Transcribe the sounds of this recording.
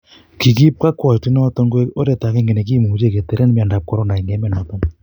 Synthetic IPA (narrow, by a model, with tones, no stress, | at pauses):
ki˨ki˦p̚ka˦kwɔ˨ti˦nɔ˦tɔ˦ŋɡwe˦o˦ɾe˨ta˨ke˦ŋɡe˨nɛ˨k̬i˦˨mu˨d͡ʒe˦˨ke˨te˨ɾe˦n˦mi˦a˨nda˨p̚kɔ˦ɾɔ˦na˨i˨ŋɛ˨˦mɛ˦nɔ˨˦tɔ˦ŋ